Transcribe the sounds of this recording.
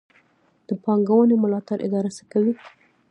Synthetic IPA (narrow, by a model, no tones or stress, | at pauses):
d̪̥əpɑŋɡawənemʊlɑt̪aɾʔɪ̰d̪ɑɾasəkawi